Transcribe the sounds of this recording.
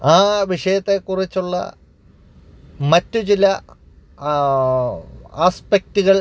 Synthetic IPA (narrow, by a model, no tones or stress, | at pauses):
aːʋiʂɐjɐt̪ːe̞kurit͡ɕːuɭːɐ̰ | mɐtːut͡ɕilɐ | aːspek̚tuɣɐɭ